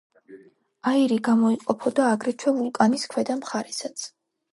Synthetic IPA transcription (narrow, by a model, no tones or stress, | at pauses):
aiɾiɡamɔiqʼɔpʰɔd̪aːɡɾɛt͡ʃʰwɛvulˠkʼaniskʰwɛd̪amχaɾɛsat̪sʰ